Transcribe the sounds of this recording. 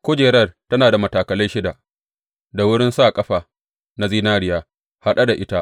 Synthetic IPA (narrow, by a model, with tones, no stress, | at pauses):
kʷoː˦d͡ʒeː˨ɽɐ˦˨rtɐ˦naː˨da˨mɐ˨taː˨kɐ˨lɐ˦jʃɪ˦da˨ | da˨wʊ˦ɽɪ˦nsaː˦˨kʼɐ˦ɸaː˨ | na˨ziː˦naː˦ɽɪ˨jaː˦ | ha˦ɗa˦da˨ʔɪ˦ta˦